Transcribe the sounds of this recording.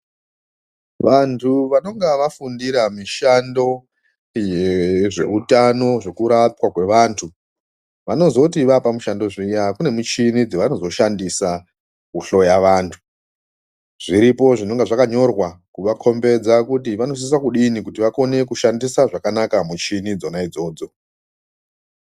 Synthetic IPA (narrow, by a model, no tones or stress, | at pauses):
ʋantʰuʋano̞ŋɡaʋafundiɾamiʃando̞ | jeʐe̞̰utano̞ʐe̞kuɾapwakwe̞ʋaːntʰu | ʋano̞zo̞tiʋapamuʃando̞ʐijakune̞mut͡ʃinid͡ziʋano̞zo̞ʃandisa | kuɬo̞jaʋaːntʰu̥ | ʐ̥iɾipo̞ʐino̞ŋɡeʐakaɲo̞rwakuʋakʰo̞mbe̞d͡zakutiʋano̞s̬is̬akuɗinikutiʋako̞ne̞kuʃandisaʐakanakamut͡ʃinid͡zo̞naid͡zo̞ːd͡zo̞